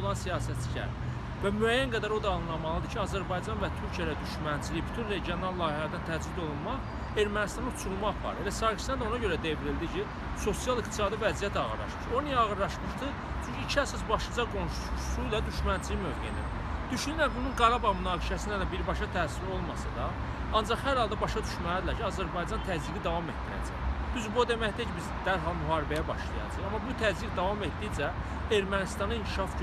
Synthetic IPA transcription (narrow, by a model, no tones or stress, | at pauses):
olˠɑnsijɑːsæt̪̚t͡ʃi̥cʰæ̰ɾ | væmyæjːænɡæd̪æɾo̞d̪ɑːnɯlˠɑmɑlˠɯd̪ɯcʰiɑzæɾbɑjd͡ʒɑnvæt̪ʰyɾcʰijæd̪æd̪yʃmænt͡ʃʰilijbyt̪ʰynɾe̞ɟio̞nɑlˠlːˠɑːhihæɾd̪ænt̪ʰæd͡ʒlid̪o̞lˠunmɑʁ | e̞ɾmænist̪ɑnnut͡ʃʰulˠmɑʁvɑ̰ɾe̞læsɑɾki̥sænd̪o̞nɑɟø̞ɾæd̪e̞viɾild̪icʰi | so̞sijɑlˠikt̪ʰi̥sɑːd̪ivæzijæt̪ʰɑɣɯ̰ɾlˠɑ̰ʃmɯ̥ʃo̞nijæɑʁɯɾlˠɑʃmɯʃd̪ɯ | t͡ʃʰyɲcʰiːt͡ʃʰiæsɑs̬bɑʃɯd͡ʒɑɡo̞nʃuusujlˠɑd̪yʃmænt͡ʃ̪ʰijmø̞vɡḛnḭ | d̪̥yʃynylænbununɡɑɾɑbɑmynɑːɡiʃæsind̪æd̪æbiɾbɑʃɑt̪ʰæːsiɾo̞lˠmɑsɑd̪ɑ | ɑnd͡ʒɑχhæɾhɑlˠd̪ɑbɑʃɑd̪yʃmææd̪ilæɾcʰiɑzæɾbɑjd͡ʒɑnt̪ʰæziɡid̪ɑvɑme̞t̪ːiɾæ̰d͡ʒæ̰jb̥̪yzbod̪e̞mæçd̪æcʰibizd̪æɾɦɑlˠmyɦɑːɾibæjæbɑ̰ʃlˠɑ̰jɑ̰d͡ʒ̪ɯχɑmːɑbut̪ʰæziɡd̪ɑvɑme̞t̪d̪id͡ʒæ | e̞ɾmænist̪ɑnɑincʰi̥ʃɑfd͡ʒ